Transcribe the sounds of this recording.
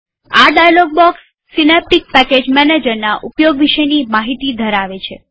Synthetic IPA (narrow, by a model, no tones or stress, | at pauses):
aɖajalɔɡ̚bɔksː | inep̚ʈik̚pɛked͡ʒmɛned͡ʒəɾnaʔupjoɡʋiʃənimaɦit̪id̪ʱəɾaʋet͡ʃʰe